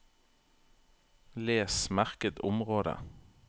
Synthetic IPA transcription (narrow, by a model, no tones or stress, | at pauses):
leːsmæʁkət̪ʊmʁoːd̪ə̰